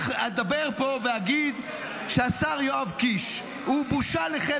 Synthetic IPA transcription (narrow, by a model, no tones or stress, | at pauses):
ad̪abeʁpo̞veaɡid̪ | ʃeasaʁjoavkiʃ | hubuʃaleχe